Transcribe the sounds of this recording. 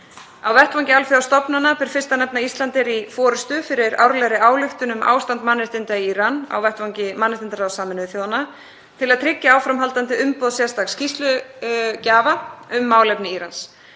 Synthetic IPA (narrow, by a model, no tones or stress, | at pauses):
awvɛht̪vawŋcɪalfjʏawst̪ɔpnanːapɪɾ̥fɪrst̪anɛp̚naist̪lant̪ɪɾifɔːɾʏst̪ʏfɪɾɪɾa̰wɾlɛɣɾɪaːwlʏht̪ʏnʏma̰ːwst̪ant̪manːɪst̪ɪnt̪aiiːɾana̰wvɛht̪vaŋcɪmanːɪst̪ɪnt̪aɾawsaːmɪnʏðθjowðanːa | t̪ʰɪlaðt̪ʰɾɪcːaaːwfɾamɦalt̪ant̪ɪʏmpɔðsjɛst̪aɣscist̪lʏcaːvaʏmːaːwlɛpnɪiːɾans